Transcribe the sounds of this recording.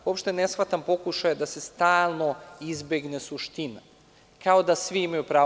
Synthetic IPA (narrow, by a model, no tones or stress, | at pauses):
uo̞pʃt̪e̞ne̞sxʋat̪ampo̞kuʃajd̪ase̞st̪aːlˠno̞izbeɡne̞suʃt̪ina | kaod̪asʋiimajupɾaː